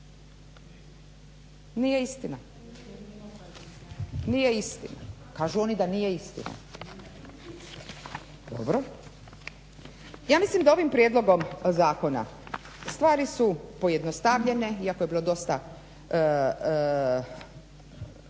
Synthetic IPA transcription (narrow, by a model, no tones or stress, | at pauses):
nije̞ist̪ina | nije̞ist̪ina̰ | kaːʒuo̞nid̪anije̞ist̪ḭna̰ | d̪̥o̰bɾo | jaːmislimd̪ao̞ʋimpɾjed̪lˠo̞ɡo̞mzaːko̞na̰ | st̪ʋaːɾisupo̞je̞d̪nost̪aʋʎe̞ne̞iakojeilo̞d̪o̞st̪a